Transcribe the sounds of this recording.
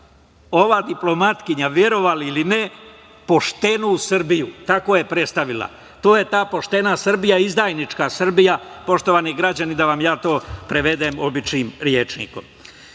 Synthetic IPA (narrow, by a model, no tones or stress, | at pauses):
o̞ʋad̪iplo̞mat̪kiɲaʋjeɾo̞ʋaliline̞ | po̞ʃt̪e̞nusr̩bijut̪ako̞je̞pɾe̞t̪st̪aʋilˠa̰ | t̪o̞ːje̞t̪aːpo̞ʃt̪e̞nasr̩bijaizd̪aːjnit͡ʃkasr̩bijapo̞ʃt̪o̞ʋaniɡɾad͡ʑanid̪aʋamjaːt̪o̞ːpɾeʋe̞d̪eːmo̞bit͡ʃniːmɾje̞t͡ʃnḭko̞̰m